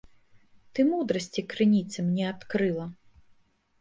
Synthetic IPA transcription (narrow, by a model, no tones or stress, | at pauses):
t̪ɨmud̪ɾɐsʲt͡sʲikɾɨnʲit̪sɨmnʲɛat̪kɾɨlˠɐ